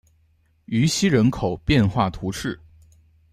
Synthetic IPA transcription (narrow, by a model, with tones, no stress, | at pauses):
y˧˥ɕi˥ɻə˧˥nkʰo˨˩ʊpjɛ˥˧nxwa˥˩t̪ʰu˧˥ʂʰɻ̩˥˩